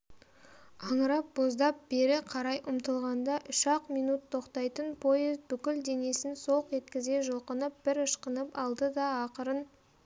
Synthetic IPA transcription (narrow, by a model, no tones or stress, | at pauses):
ɑɴəɾɑp̚b̥o̞zd̪ɑp̚b̥e̞ɾɪqʰɑɾɑjʔʊmt̪əlˠʁɑnd̪ɑʔʏʃɑqmijnut̪ʰːo̞qt̪ɑjt̪ənpʰojɪzt̪̚bʏkʲɪld̪e̞ne̞sɪnso̞qʒe̞t̪kʲɪze̞ʒolˠqənəp̚b̥ɪɾəʃqənəpɑlˠd̪əd̪ɑːqəɾən